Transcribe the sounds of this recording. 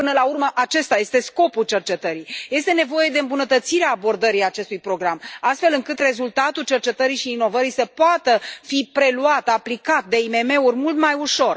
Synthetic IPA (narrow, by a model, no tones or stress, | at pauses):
pɨnəlaurməʔat͡ʃe̞st̪aje̞st̪e̞sko̞pult͡ʃe̞rt͡ʃe̞t̪əɾijje̞st̪e̞ne̞vo̞je̞d̪e̞ɨmbunət̪ət̪siɾeaːbo̞rd̪əɾijat͡ʃe̞st̪ujpɾo̞ɡɾamast̪fe̞lɨŋkɨt̪re̞zult̪at̪ult͡ʃe̞rt͡ʃe̞t̪əɾiʃiːno̞vəɾisəpoat̪əfipɾe̞luat̪aplikat̪̚d̪e̞ime̞me̞urʲmult̪majuʃo̞r